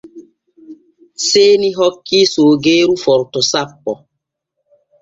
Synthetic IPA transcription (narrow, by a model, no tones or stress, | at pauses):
seːniɦɔkːisoːɡeːɾufɔɾtɔsapːɔ